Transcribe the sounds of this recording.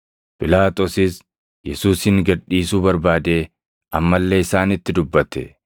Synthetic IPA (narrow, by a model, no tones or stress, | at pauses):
pʼɪlaːt̪ʼosɪs | jɛsuːshɪŋɡɐᶑiːsuːbɐɾbaːd̪e̞ː | ʔɐmːɐlːe̞ːɪsaːnɪt̪ːɪd̪ʊbːɐt̪ɛ̰